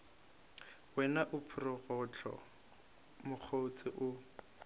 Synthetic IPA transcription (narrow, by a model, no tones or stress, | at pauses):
wɛnaʔʊpʰʊrʊɣʊt͡ɬʰɔ̰ | mʊk͡xʰot͡sʼɪʔʊ